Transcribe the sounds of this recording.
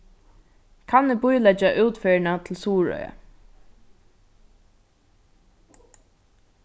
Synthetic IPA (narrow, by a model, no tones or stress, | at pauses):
kʰanːɪbʊjlɛd͡ʒaʔuːt̪fœːɹɪɳat̪ʰɪlsuːɹœ̰ʏə̰